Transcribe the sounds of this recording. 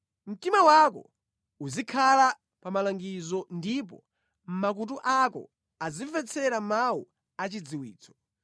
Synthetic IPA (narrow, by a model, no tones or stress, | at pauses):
m̩timawakɔ̰ | uzikʰala | pamalaŋɡizɔndip̬ɔ̰ | m̩mak̬ut̬uʔakɔ̰ | azifɛt͡sʰɛɾamawu | at͡ʃid͡ziwḭːt͡sʰɔ̥